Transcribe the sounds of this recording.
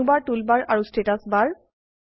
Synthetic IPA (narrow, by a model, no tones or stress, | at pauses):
ubaɹtulbaɹʔaɹustetasbaɹ